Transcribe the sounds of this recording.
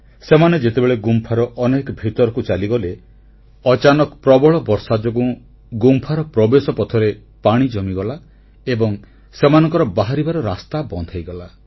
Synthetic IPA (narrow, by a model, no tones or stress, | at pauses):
semaned͡ʒet̪ebeɭeɡumpʰaɾɔʔɔnekɔbʱit̪ɔɾɔkut͡ʃaliɡɔle | ɔt͡ʃanɔkpɾɔbɔɭɔbɔɾsad͡ʒɔɡũ | ɡumpʰaɾɔpɾɔbesɔpɔt̪ʰɔɾe | paɽ̃id͡ʒɔmiɡɔla | ebɔŋ | semanɔŋkɔɾɔbaɦaɾibaɾɔɾast̪abɔnd̪ʱajɡɔla